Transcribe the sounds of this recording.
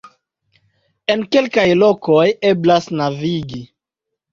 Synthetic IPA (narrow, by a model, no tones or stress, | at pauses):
e̞nke̞lkajlo̞koje̞blasnaviɡi